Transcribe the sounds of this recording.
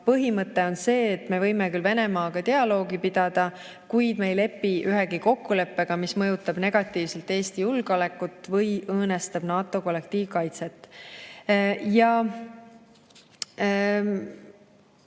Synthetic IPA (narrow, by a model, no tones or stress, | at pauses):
pɤɦimɤt̪ːˑe̞o̞nse̞ːt̪me̞vɤjmekylve̞ne̞mɑːɡ̥ɑt̪e̞ɑlo̞ːɡipid̪̥ɑd̪̥ɑ | kujd̪̥me̞jle̞pːiʔyɦeɡiko̞kːule̞pːe̞ɡ̥ɑmismɤ̞jut̪ːˑɑb̥ne̞ɡ̥ɑt̪ːˑiːvse̞lt̪e̞ːst̪ijulɡ̥ɑle̞kːˑut̪ːˑvɤjɤːne̞st̪ɑb̥nɑːt̪ːˑo̞ko̞le̞k̚t̪iːvkɑjt̪se̞t̪ːˑ | jɑ